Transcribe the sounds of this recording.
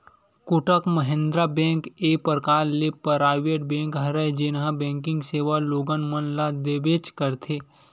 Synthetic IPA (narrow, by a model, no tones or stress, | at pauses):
kʊʈəkməɦẽnd̪ɾabɛ̃ːŋkeːpəɾkaːɾlepɾaːɪʋeːʈ̚bɛ̃ːŋkɦɐɾəd͡ʒɪnɦãbɛ̃ːŋkɪ̃ŋɡseːʋaloːɡənmənlad̪ebeːt͡ʃkəɾt̪ʰeː